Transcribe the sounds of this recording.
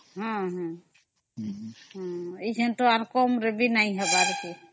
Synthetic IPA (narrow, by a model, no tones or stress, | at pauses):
ɦɔ̃ɦɔ̃ | ɦɔ̃id͡ʒʱent̪oaɾkɔmɾebʱinaj̃ɦɛbaɾki